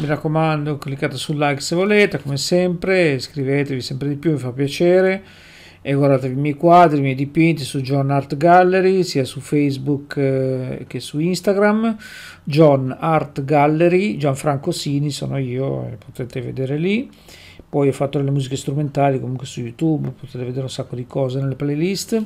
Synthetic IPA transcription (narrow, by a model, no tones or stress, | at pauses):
mirakːomand̪oklikːaːt̪asulːajksevoleːt̪ekomesɛmpɾeskɾivet̪evisɛmpɾed̪ipjumifapːjat͡ʃɛːɾe | eɡward̪at̪evimjɛjkwad̪ɾimjɛjd̪ipint̪isud͡ʒɔnart̪ɡalːeɾisiːasufejzbuk | kːesuinst̪aɡɾam | d͡ʒɔnart̪ɡalːeɾid͡ʒaɱfɾaŋkosiːnisɔ̰ːnoiːoḛpot̪ɛt̪evḛd̪eːɾeli | pɔjɔfːat̪ːod̪elːemuːzikest̪ɾument̪aːlikomuŋkwesujut̪ubpot̪ɛːt̪eved̪eːɾeunsakːod̪ikɔːzeneleplelist̪